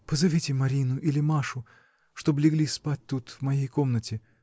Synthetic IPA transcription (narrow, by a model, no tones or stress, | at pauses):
pəzɐvʲitʲɪmɐɾʲinʊʔilʲɪmaʂʊ | ʂt̪o̞blʲɪɡlʲispat̚ʲt̪ut̪vmɐjejko̞mnətʲɪ